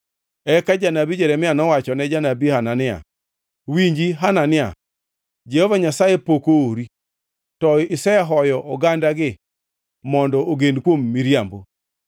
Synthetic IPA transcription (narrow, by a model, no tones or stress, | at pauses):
ɛkad͡ʒanabid͡ʒɛɾɛmɪanɔwat͡ʃɔnɛd͡ʒanabihananɪa̰ | wiɲd͡ʒiɦananɪa̰ | d͡ʒɛhɔvaɲasajepokooɾi | tɔɪsɛɦɔjɔʔɔɡandaɡɪ | mɔndɔoɡendkwomːiɾjambo